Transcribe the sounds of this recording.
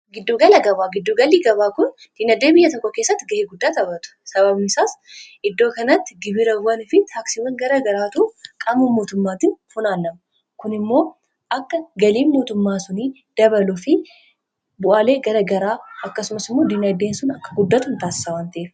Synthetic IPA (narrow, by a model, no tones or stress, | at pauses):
ɡɪd̪ːoːɡɐlɐɡɐbaːɡɪd̪ːuɡɐlːiːɡɐβaːkʊn | d̪̥iːnɐd̪ːeːbɪjːɐt̪ɔkʼːɔke̞ːsːɐt̪ːɪɡɐheːɡʊd̪ːaːt̪ɐbɐt̪ʊ̥sɐβɐbnɪsaːsʔɪd̪ːoːkɐnɐt̪ːɪɡɪbɪɾɐwɐnɪfɪt̪ʰaːksɪwɐŋɡɐɾɐɡɐɾaːt̪ukʼɐmɐmːo̞ːt̪ʊmːaːt̪ɪnhʊnaːlːɐmɐ | kʊnɪmːo̞ː | ʔɐkːɐɡɐliːnmo̞ːt̪ʊmːaːsʊniː | d̪̥ɐβɐlʊfɪ | bʊʔaːle̞ːɡɐɾɐɡɐɾaːɐkːɐsʊmɐsɪmːo̞ːd̪inɐd̪eːnsʊnɐkːɐ̥ɡʊd̪ːɐt̪ʊnt̪aːsɪ̥sɐwaːnt̪ɐʔef